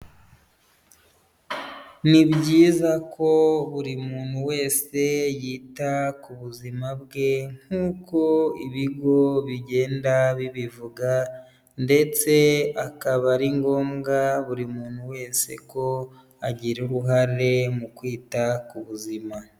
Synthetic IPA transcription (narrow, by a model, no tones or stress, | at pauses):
nibɟiːzakʰo̞βuɾimuːn̥huwe̞ːse̞jiːtakuβuzimabɡe̞ŋ̥huːko̞iβiɡo̞βiɟe̞ːndaβiβivuɡa | nde̞t͡se̞akaβaɾiŋɡo̞ːmɡaβuɾimuːn̥huwe̞ːse̞̰ko̞ | aɟiɾeɾuɦaɾe̞mukwiːtakuβuzima